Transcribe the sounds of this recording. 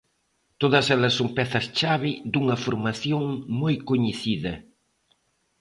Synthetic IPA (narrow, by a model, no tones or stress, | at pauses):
t̪oðɐsɛlɐsːoŋpɛθɐst͡ʃaβɪd̪uŋɐfoɾmaθjoŋmojkoɲeθiðɐ